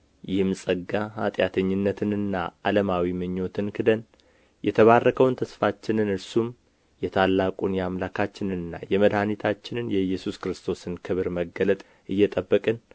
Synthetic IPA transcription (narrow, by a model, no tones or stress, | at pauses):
jɪhmsʼəɡaat̪ʼjat̪ʰəɲːɪnːət̪ʰɨnɨnːa̰aləmawimɨɲːo̞t̪ʰɨnkʰɨd̪ən | jɛt̪ʰəβarːəkʰəwnt̪ʰəsfat͡ʃːɪnɨnɨɾsum | jɛt̪ʰalːakʼunjamlakʰat͡ʃːɪnɨnɨnːa̰jɛməd̪hanit̪ʰat͡ʃːɪnɨnjɛjːɛsuskɾɨst̪ʰo̞sɨnkʰɨβɨɾməɡːələt̪ʼ | ʔɨjːɛt̪ʼəbːəkʼɨn